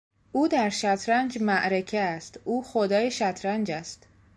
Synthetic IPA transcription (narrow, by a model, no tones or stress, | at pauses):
ʔuːd̪æɾʃæt̪ʰɾænd͡ʒmæʔɾecʰeæst̪ʔuːxod̪ɒːjeʃæt̪ʰɾænd͡ʒæst̪